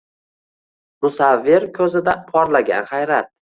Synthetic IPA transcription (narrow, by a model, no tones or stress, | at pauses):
mʊsavːɪɾkʲʰɵzɪd̪apʰɒɾlaɡʲa̰nhajɾat̪̚